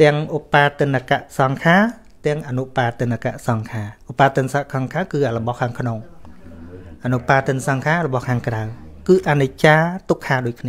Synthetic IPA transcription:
t̪ɛ̆əŋʔopaːt̪ɨnːakaʔsɑŋkʰaː | t̪ɛ̆əŋʔanuʔpaːt̪ɨənakaʔsɑŋkʰaːʔopːaːt̪ɨnsaʔkʰɑŋkʰaːwkɨːʔaləɓɑhkʰaːŋkʰnoŋ | ʔanuʔpaːt̪ɨənsɑŋkʰaːrɔɓɑhkʰaːŋkrawkɨːʔ̪anut͡ɕaːt̪ukʰːaːɗoːc̚kʰniə

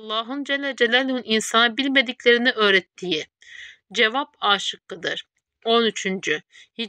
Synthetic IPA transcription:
ɑlˠːaːɦɯnd͡ʒɛlʲːɛd͡ʒɛlʲælenininsanɯbilʲme̞d̪iclʲe̞ɾiniʔø̞ːɾɛt̪ʰːiji | d͡ʒevapaːʃɯklˠɯd̪ɯɾ̥ | o̞nyt͡ʃʰynd͡ʒy | hi

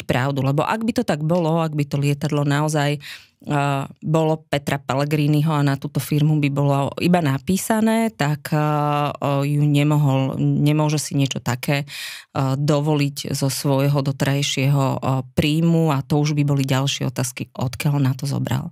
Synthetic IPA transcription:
pɾa̰ʊd̪ulɛbɔ̰ʔaɡbit̪ɔt̪aɡbɔlɔaɡbit̪ɔlɪɛt̪ad̪lɔnaɔzaj | bɔlɔpɛt̪ɾapɛlɛɡɾiːniɦɔanat̪uːt̪ɔfiɾmubibɔlɔḭbanapiːsanɛːt̪ak | juɲɛmɔɦɔlɲɛmʊɔʒɛsiɲɪɛt͡ʃɔt̪akɛː | d̪ɔʋɔliɟzɔsʋɔjɦɔd̪ɔt̪ɛɾajʃɪɛɦɔpɾiːmuat̪ɔuʒbibɔliɟalʃɪɛ̰ɔ̰t̪aːskiʔɔt̪kɪalnat̪ɔzɔ̰bɾa̰l

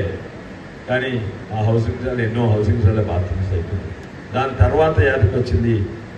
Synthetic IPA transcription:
kaːni | aɦɐws̬iŋɡd͡zaːlenːoːɦɐwsiŋɡzaːlebaːt̪insɐjt̪u | d̪aːnt̪ɐɾʋaːt̪ɐjaːd̪ukɐt͡ʃːind̪i

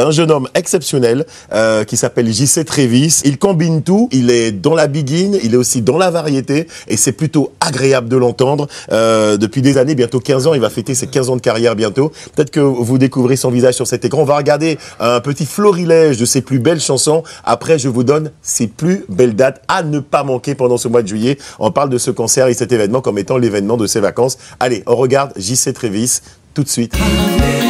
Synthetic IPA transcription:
ɛ̃ʒənɔmɛksɛpsjɔnɛl | økʲisapɛlʒiset̪χevisilkɔ̃bint̪uilɛd̪ɑ̃labiɡʲinilɛosid̪ɑ̃lavaʁjet̪eesɛplyt̪oaɡʁeabləd̪əlɑ̃t̪ɑ̃d̪ʁød̪əpɥid̪ezanebjɛ̃t̪okʲɛ̃zɑ̃ilvafet̪esekʲɛ̃zɑ̃d̪əkaʁjɛʁbjɛ̃t̪opə̥t̪ɛt̪χə̥kəvud̪ekuvʁesɔ̃vizaʒsyʁsɛt̪ekɑ̃ɔ̃vaʁəɡaʁd̪eɛ̃pət̪iflɔʁilɛʒd̪əseplybɛlʃɑ̃sɔ̃a̰pχɛʒəvud̪ɔnseplybɛld̪at̪anəpamɑ̃kʲepɑ̃d̪ɑ̃səmwad̪əʒɥijɛɔ̰̃paʁld̪əsəkɑ̃sɛʁesɛt̪evɛnmɑ̃kɔmet̪ɑ̃levɛnmɑ̃d̪əsevakɑ̃saleʔɔ̃ʁəɡaʁd̪ʒisɛt̪χevis | t̪ːut̪sɥit̪

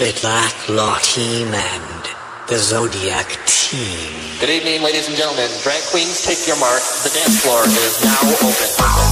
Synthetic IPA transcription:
ɪtʰˡlækʰlɑɾʰimɨ̃n | ðɨzoʊɾiæ̰ktʰĩm | ɡ̥ɨɾivnẽnleɪɾizɨ̃n̩d͡ʒɛ̃ntˡl̩ˠmɨ̃ndɹæ̃ŋkʰw̥ĩnz̥tʰeɪkjə˞mɑɹkðɨdɛ̃nslɔɹðɨɾɨznaʊoʊpɨ̃n

